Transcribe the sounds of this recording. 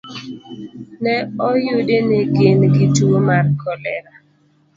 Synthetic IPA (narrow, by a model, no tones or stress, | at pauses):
nɛɔjʊdenɪɡɪnɡɪtuomarkɔlɛ̰ɾa